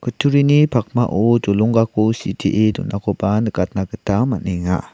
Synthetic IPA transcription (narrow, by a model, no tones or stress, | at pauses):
kətʰuɾinipʰak̚maʔod͡ʒolɔŋɡakositʰiʔedṵnʔakobanəkat̚nakətamanɛŋa̰